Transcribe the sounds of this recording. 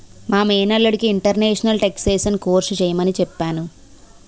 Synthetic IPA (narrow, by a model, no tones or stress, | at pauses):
maːmeːnɐlːɐɽikiːɳʈɐɾneːʂɐnɐlʈekseːsɐnkoːɾʃut͡ʃeːjɐmɐnit͡ʃɛpːaːnu